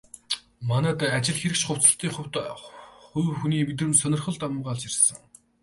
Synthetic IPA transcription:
manæːt̪æat͡ɕɪ̆ɮxeɾɘ̆kʃχʊw̥t͡sə̥̆ɬt̪iːŋχʊwt̪χujxuniːmet̪̬rɘ̆msœnʲɪ̆rχɞ̆ɮt̪amːɢaːɮt͡ɕirʲsə̆ŋ

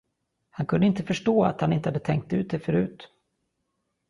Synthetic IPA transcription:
hankʰɵnd̪əɪnt̪əfœʂʈoːa̰t̪hanɪnt̪əhad̪ət̪ʰɛŋk̚t̪ːʉ̟ːt̪d̪ɛfœɾʉ̟ːt̪

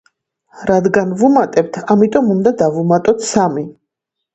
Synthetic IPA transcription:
ɾad̪ɡanvumat̪ʼɛb̚t̪ʰamit̪ʼɔmund̪ad̪avumat̪ʼɔt̪ʰsami

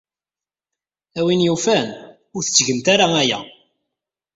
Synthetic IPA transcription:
æwinjufæn | ʊɾθə̥t͡sːʝəmt̪aɾaæjæ̰

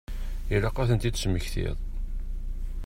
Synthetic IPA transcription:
ilaqːaθənt̪id̪sməçθɪ̰ðˤ

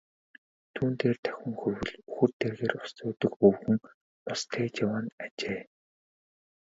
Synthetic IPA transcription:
t̪ʰuːnt̪eːrt̪ʰæ̥xʲɘ̆ŋxɵrwɵ̆ɮuxɵ̆rt̪erɣeːrʊ̥st̪ʊːt̪ɵ̆kɵwxɵ̆ŋ | pɔst̪ʰeːt͡ɕawaːnat͡ɕeː

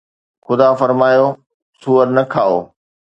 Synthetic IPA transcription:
xʊd̪afɐɾmaːjo | suːəɾnɐkʰaːo̰ː

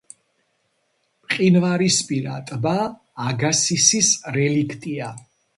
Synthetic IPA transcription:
pʼqʼinvaɾispʼiɾa̰t̪ʼbaː | ɡasisisɾɛlikʰt̪ʼia

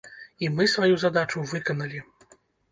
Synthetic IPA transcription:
imɨsvajuzad̪at͡ʂuvɨkɐnɐlʲi

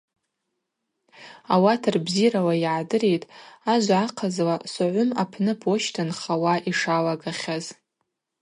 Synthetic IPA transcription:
awatʰarbzirawajʕadɨrejtʼaʒʷʕaqʰazlasaʕʷʊmapʰnɨpʰoʃtʰanχawaʔiʂalaɡaχʲaz

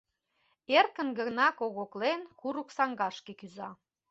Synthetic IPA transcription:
erkə̆nɡənɑkoɣoklenkuɾuksɑŋɡɑʃkekyzɑ

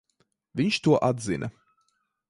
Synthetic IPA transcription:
vʏnʃd̥uːɐʔatzɪ̰nʔə̰

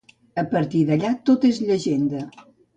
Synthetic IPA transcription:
əpəɾt̪iðəʎat̪ot̪ezʎəʒend̪ə

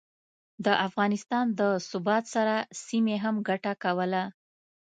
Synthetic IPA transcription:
d̪əʔafɣɑnɪst̪ɑnd̪əsʊbɑt̪saɾasimeɦamɡaʈakawəla

